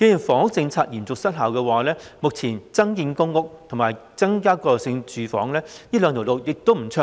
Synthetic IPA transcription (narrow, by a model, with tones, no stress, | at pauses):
ke˨˥jy˨˩nfɔː˨˥ŋʊ˥k̚t͡sɪ˧ŋt͡sʰaː˧k̚jiː˨˩nt͡sʊ˨k̚sɐ˥t̚ɦɐ˨˩wkɛː˧waː˨lɛː˥mʊ˨k̚t͡sʰiː˨˩nt͡sɐ˥ŋjiː˧nkʊ˥ŋːʊ˥k̚t̪ʰʊ˨˩ŋmaː˨˩jt͡sɐ˥ŋkaː˥kɔː˧˨sɪ˧ŋt͡ʃyː˨fɔː˨˥ŋlɛː˥jiː˥lœː˨˧ŋt̪ʰo˨˩wlo˨˩wjɪ˨k̚t̪o˥wm̩˨˩t͡sʰɵ˥